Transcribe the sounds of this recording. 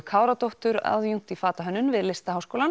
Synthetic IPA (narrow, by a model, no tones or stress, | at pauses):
kʰaːwɾat̪owht̪ʏɾa̰ðjuŋ̥t̪ifaːt̪aɦœnːʏnvɪðlɪst̪aɦawskoːwlan